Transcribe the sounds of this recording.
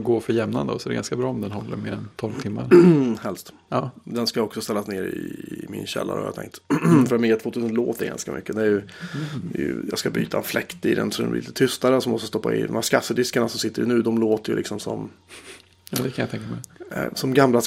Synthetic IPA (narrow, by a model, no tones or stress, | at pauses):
ɡoːfœɾjɛmna̰nd̪ɔsɔɛɾɛɡanskabɾɑːɔmd̪ɛnɦɔlːəɾmeːɾɛnt̪ʰɔlvt̪ʰɪmːaɾhɛlst̪ | ɑːd̪ɛnskajɔksɔst̪ɛlːasneːɾɪmɪ̰nɕɛ̰lːa̰ɾɔ̰a̰j̰a̰t̪ʰɛ̰ŋkt̪fœɾat̪mɪat̪ʰvoːt̪ʰʉsənloːt̪d̪ɛɾɡa̰nskamʔʏ̰kːəd̪ɛæɾjɵ | j̰jɑːɡskaby̰ːt̪ʰaɛnflɛkt̪ɪd̪ɛ̰nsɔd̪ɛ̰nvɪ̰lt̪ət̪ʰʏst̪aɾəsɔmːɔst̪əst̪ɔpːaɪd̪ɔ̰mhæːʂkasːəd̪ɪskaɳasɔmsɪt̪ːəɾɪnʉ̟ːd̪ɔmloːt̪əjɵlɪ̰ksɔmsɔ̰m | d̪ɛkʰanjat̪ɛŋkamɛsɔmɡamla